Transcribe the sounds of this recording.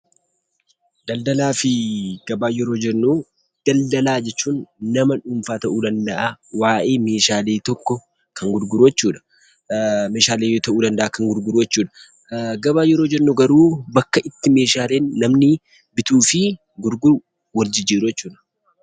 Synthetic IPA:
d̪ɐld̪ɐlaːfɪɡ̥ɐbaːjɛɾo̞ːd͡ʒɛnːuː | d̪̥ɐld̪ɐlaːd͡ʒɛt͡ʃːuːnːɐmɐᶑʊmfaːt̪ɐʔuːd̪ɐnd̪ɐʔawaːʔe̞ːme̞ːʃaːle̞ːt̪ɔkːɔ | kʰɐŋɡʊɾɡʊɾʊjɛt͡ʃːuːᶑɐ̥ | me̞ːʃaːleːjoːt̪ɐʔuːd̪ɐnd̪ɐʔaːkɐŋɡʊɾɡʊɾʊjɛt͡ʃːuːᶑɐ̥ | ɡɐbaːjɛɾo̞ːd͡ʒɛɾːuɡɐɾuːbɐkːɐʔɪt̪ːɪme̞ːʃaːleːnːɐmnɪ | bɪt̪uːfɪ | ɡʊɾɡʊɾʊ | wɐɾd͡ʒɪd͡ʒiːɾʊjɛt͡ʃːuːᶑɐ̥

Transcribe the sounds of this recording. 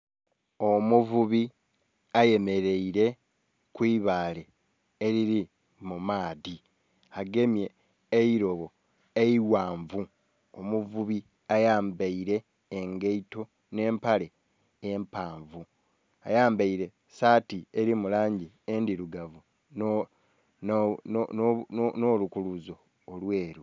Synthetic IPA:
omuvuβi | aje̞me̞ɾe̞iɾe̞ | kwiːβaːle̞ː | ɾiɾi | mumaːði | aɡe̞mje̞ː | iɾo̞βo̞ | eiwaːɱvu | omuvuβi | ajaːmbeiɾe̞ː | ŋɡeito̞ | ne̞ːmpale̞ː | mpaːɱvu | ajaːmbaiɾe̞ | saːtieɾimulaːɲɟi | endiɾuɡavu | no | nonnnoːlukuluzo̞ː | lweːɾu

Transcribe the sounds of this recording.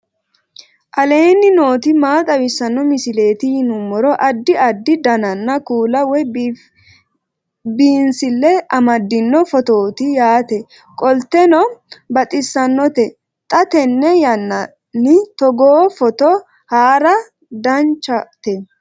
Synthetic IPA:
ʔɐle̞ːnːɪno̞ːt̪ɪmaːt̪ʼɐwɪsːɐnːɔmɪsɪle̞ːt̪ɪjɪnʊmːɔɾɔʔɐd̪ːɪɐd̪ːɪd̪ɐnɐnːɐkuːlɐwɔ | biːnsɪlːɛɐmɐd̪ːɪnːɔfɔt̪o̞ːt̪ɪjaːt̪ɛ | kʼɔlt̪ːɛnɔbɐt̪ʼɪsːɐnːɔt̪ɛ | t̪ʼɐt̪ɛnːɛjɐnːɐ | nːɪt̪ɔɡoːfɔt̪ɔ | haːɾɐ | d̪ɐnt͡ʃːɐt̪ɛ

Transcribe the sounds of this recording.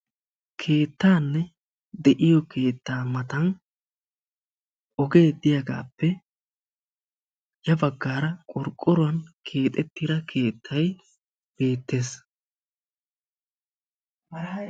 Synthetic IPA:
kʰe̞ːt̪ːaːnːɛ | d̪ɛʔɪjɔkʰe̞ːt̪ːaːmɐt̪ɐn | ʔɔɡe̞ːd̪ɪjɐɡa̰ːpːɛ | jɐbɐɡːaːɾɐkʼɔɾkʼːɔɾʊwɐnkʰe̞ːt̪ʼɛt̪ːiːd̪ɐkʰe̞ːt̪ʰːɐj | b̥e̞ːt̪ːe̞ːs

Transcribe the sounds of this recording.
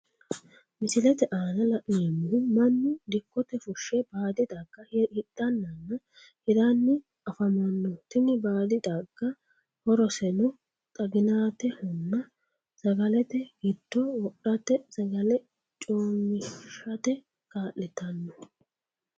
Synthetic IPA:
mɪsɪlɛt̪ɛʔaːnɐlɐʔnemːumɐnːɪd̪ɪkːɔt̪ɛfʊʃːɛbaːd̪ɪd̪aːɡ̥ɐhhɪd̪̥ːɐnːɐnːɐ | hɪd̪anːɪ | ɐfɐmɐnːɔt̪ɪnːɪbaːd̪ɪd̪aːɡ̥ːɐ | hɔɾɔsɛnɔ | t̪ʼɐɡɪnaːt̪ɛhʊnːɐ | z̥ɐɡɐlɛt̪ɛɡɪd̪̥ːɔwɔʔɐt̪ːɛzɐɡɐlɛ | t͡ʃʼoːmɪʃɐt̪ɛ | kaːʔɪt̪ɐnːɔ

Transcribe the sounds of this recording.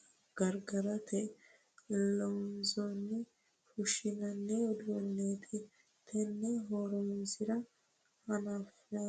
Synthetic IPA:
ɡ̥ɐɾɡɐɾɐt̪ɛ | lːɔʊnzɔnːɛ | fʊʃɪnɐnːɛɔd̪ʊɔnːeːt̪ʰɪ | t̪ʰɛnːɛɦoːɾɔnsɪɾɐ | hɐnaf

